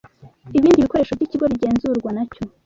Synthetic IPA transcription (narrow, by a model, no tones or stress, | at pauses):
iβiːndiβiko̞ɾeːʃovɟiciɡo̞βiɟe̞ːnzuɾɡwanaco̞